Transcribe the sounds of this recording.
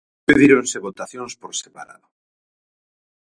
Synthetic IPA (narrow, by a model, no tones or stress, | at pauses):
eðiɾonseβot̪aθjõnspoɾsepa̰ɾa̰ðo